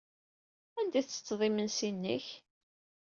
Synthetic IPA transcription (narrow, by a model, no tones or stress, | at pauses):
ænd̪iθt͡sːə̥t͡sːðˤimənsinːə̰ç